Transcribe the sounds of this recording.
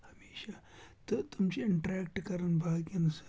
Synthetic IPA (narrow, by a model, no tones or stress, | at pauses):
hɐmeːʃat̪ot̪umt͡ʃeɪɳʈɾɛːk̚ʈkɐɾənbʱaːɡɐnɐs